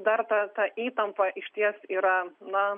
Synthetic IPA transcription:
d̪ɐɾt̪ɐt̪ɐʔiːt̪ɐmpɐʔɪʃʲt̪ʲiɛsiːɾɐnɐ

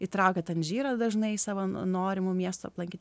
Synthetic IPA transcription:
it̪ɾɐʊkʲɛt̪ʲɛnʒʲiːɾɐd̪ɐʒnɐɪsɑːʋoːnoːɾʲɪmʊmʲiɛst̪oɐ̰plˠɐŋʲkʲiːt̪ʲ

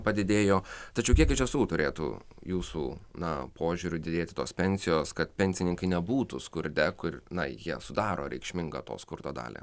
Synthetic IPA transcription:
pɐd̪ʲɪd̪ʲeːjoːt̪ɐt͡ʃʲɛʊkʲiɛkɪʃʲɛsuːt̪ʊɾʲeːt̪ṵːjuːsuːnɐpoːʒʲuːɾʲʊd̪ʲɪd̪ʲeːt̪ʲɪt̪oːspʲɛnʲsʲɪjoːskɐt̪pʲɛnʲsʲɪnʲɪŋkɐɪnʲɛbuːt̪uskʊɾʲd̪ʲɛkʊɾnɐ̰jiɛsʊd̪ɑːɾo̰ːɾʲɛ̰ɪkʃʲmʲɪŋɡɐ̰t̪o̰ːskʊɾd̪oːd̪ɑ̰ːlʲḛː

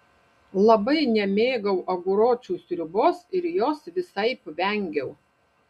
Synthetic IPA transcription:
lˠɐbɐɪnʲɛmʲeːɡɐʊʔɐɡʊɾoːt͡ʃʲuːsʲɾʲʊboːsɪɾjoːsʋʲɪsɐɪpʋʲɛŋʲɡʲɛʊ

